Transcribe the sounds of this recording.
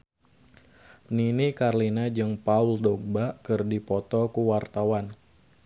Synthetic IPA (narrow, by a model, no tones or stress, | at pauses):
ninikarlinad͡ʒɨŋpauldɔɡ̚baʔkɨrdipɔt̪ɔkuwart̪awan